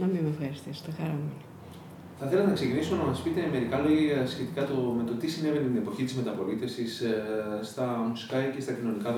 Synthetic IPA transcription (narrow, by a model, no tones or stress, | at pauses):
nɐmimefxɐɾist̪iso̥t̪ɐxɐɾɐmeni | θɐθelɐenɐkse̞cinisonɐmɐspit̪e̞me̞ɾikɐlo̞ʝɐɐsçe̞t̪ikɐt̪o̞me̞t̪o̞t̪isine̞ve̞net̪ine̞po̞çit̪izme̞t̪ɐpo̞lit̪e̞fsisst̪ɐmusi̥kɐce̞st̪ɐcino̞nikɐ